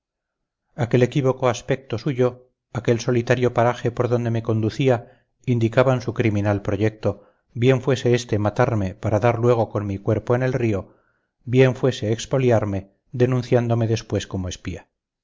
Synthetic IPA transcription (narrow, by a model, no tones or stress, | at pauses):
ake̞le̞kiβ̞o̞ko̞aspe̞k̚t̪o̞suʝo̞ | ake̞lso̞lit̪aɾjo̞paɾaxe̞po̞ɾðo̞nd̪e̞me̞ko̞nd̪uθia | ind̪ikaβansukɾimĩnalpɾo̞ʝek̚t̪o̞ | bje̞ɱfwe̞se̞est̪emat̪aɾme̞paɾaðaɾlwe̞ɣ̞oko̞nmikwe̞ɾpo̞ene̞lrio̞ | bje̞ɱfwe̞se̞ːkspo̞ljaɾme̞ | ðe̞nũnθjand̪o̞me̞ðe̞spwe̞sko̞moespia